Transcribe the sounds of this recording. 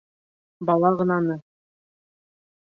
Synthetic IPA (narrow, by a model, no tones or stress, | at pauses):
bɑlˠɑʁɤ̆nɑnɤ